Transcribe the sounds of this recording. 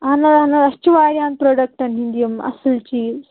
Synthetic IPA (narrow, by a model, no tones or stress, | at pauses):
ɦɐnɐd̪ɦɐnɐd̪ɐst͡ʃuʋaːɾjaːnpɾoːɖɐk̚ʈɐnɦind̪ijɐmɐ̰sult͡ʃiː